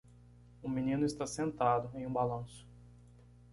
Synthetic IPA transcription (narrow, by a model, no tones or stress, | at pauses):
ũminĩnʊɪst̪asẽnt̪ad̪ʊẽj̃ũbalɐ̃sʊ̥